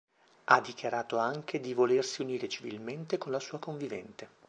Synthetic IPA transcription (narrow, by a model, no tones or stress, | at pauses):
ad̪ːikjaɾaːt̪oaŋk̟ed̪ivolersiuniːɾet͡ʃivḭlment̪ekonlasuːakoɱvivɛ̰nt̪e